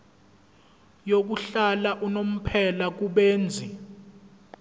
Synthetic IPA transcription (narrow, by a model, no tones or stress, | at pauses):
jok̬uɬalaʔunom̩pʰɛlak̬uɓeːnd͡zʱi